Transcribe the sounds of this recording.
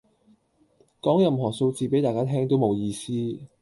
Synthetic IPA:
kɔː˨˥ŋjɐ˨mɦɔː˨˩ŋso˧wt͡siː˨˧pe˨˥jt̪aː˨jkaː˥t̪ʰɛː˥ŋt̪o˥wmo˨˧wjiː˧siː˥

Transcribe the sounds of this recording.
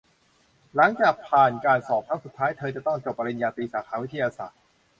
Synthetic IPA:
la˩˦ŋt͡ɕaː˨˩k̚pʰaː˨˩nkaː˧nsɔː˨˩p̪̚ʰaː˦˥su˨˩t̪ʰːaː˦˥jt̪ʰɤː˧t͡ɕa˨˩t̪ɔ˥˩ŋt͡ɕo˨˩p̚ʔi˧njaː˧t̪iː˧saː˩˦kʰaː˧wi˦˥t̪ʰːa˧jaː˧sa̰ː˨˩t̪̚

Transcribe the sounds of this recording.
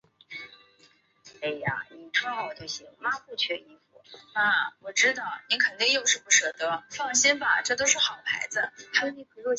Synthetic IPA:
e˥˩ɪa̰˧ni˨˩ʈ͡ʂʰt̪e˥˩ɕi˧˥˩ma˥xwe˥˧ɪt͡ɕʰɥɛ˥˧˩i˧˥˩fu˨˩˦a˥˩wɔ˨˩ʈ͡ʂɻ̩˥t̪ɑ˥˩ʊni˧˥kʰə˨˩nt̪i˥˧ŋjo˥˧ʊʂɻ̩˥˧˩pu˥˩ʂɤ˥˩d̪ə˥fɑ˥˩ŋɕi˥nbɐ˨ʈ͡ʂɤ˥˩t̪̬o˥ʊʂɻ̩˥˩xɑ˨˩ʊpʰa̰˧˥ɪd͡z̩˧xa˥jo˧˥ni˧˥pʰɤ˧˥lɔ˥˧˩

